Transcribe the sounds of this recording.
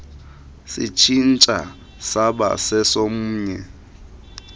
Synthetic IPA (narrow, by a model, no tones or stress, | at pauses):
sit͡ʃʰin̩t͡ʃʼa | saba̰sɛsomuːɲɛ